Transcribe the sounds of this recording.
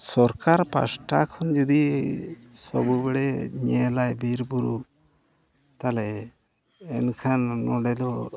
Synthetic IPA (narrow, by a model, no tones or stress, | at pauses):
sɔɾkaɾpa̰sʈakʰɔnd͡ʒɔd̪i | sɔbubɛɽɛɲɛlajbiɾbuɾu | t̪alɛ | ɛnkʰanːɔɖɛd̪ɔ